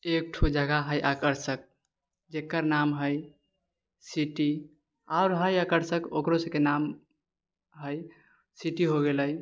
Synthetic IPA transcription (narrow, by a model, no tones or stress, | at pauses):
ek̚ʈʰud͡ʒaɡaɦəjʔakəɾsək̚ | d͡ʒekːəɾnamɦəj | siʈi | aʊɾɦəjakəɾsəkokɾosə̃kenam | ɦəj | siʈiɦoɡeləj